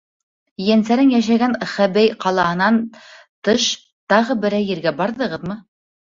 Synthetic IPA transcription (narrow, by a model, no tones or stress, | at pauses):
jænsæɾɘnjæʃæɡænχæbæjqɑlˠɑɦɤ̆nɑn | t̪ɤʃ | t̪ɑʁɤbɘ̆ɾæjɘ̆ɾɡæbɑɾðɤ̆ʁɤðmɤ